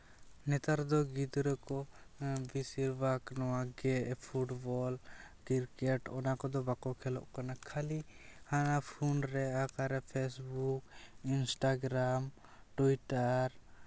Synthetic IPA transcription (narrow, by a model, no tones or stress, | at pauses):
nɛt̪aɾd̪ɔɡid̪ɾɔkɔbisiɾbaknɔwaɡɛʔpʰuʈbɔlkiɾkɛʈɔnakɔd̪ɔbakɔkʰɛlɔ̰ʔkanakʰalihanapʰunɾɛakaɾɛpʰɛsbukinsʈaɡɾam | ʈuiʈaɾ